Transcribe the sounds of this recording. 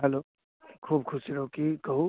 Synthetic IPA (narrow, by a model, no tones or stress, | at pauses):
ɦɛloː | kʰuːbkʰʊsiɾɐɦokikɐɦu